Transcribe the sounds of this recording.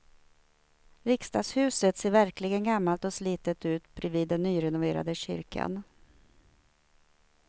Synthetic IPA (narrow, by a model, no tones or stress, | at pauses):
vɪkst̪ɑːɡshʉ̟ːsət̪seːɾvæɾklɪɡənɡamːalt̪ɔsliːt̪ət̪ʉ̟ːt̪bɾɛviːd̪ːɛnːyːɾɛnʊveːɾa̰d̪əɕʏ̰ɾkʰa̰n